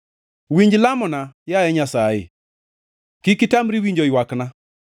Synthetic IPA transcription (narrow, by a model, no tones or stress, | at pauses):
wiɲd͡ʒilamɔnajaɛɲasaḛ | kikitamɾiwiɲd͡ʒɔjwakna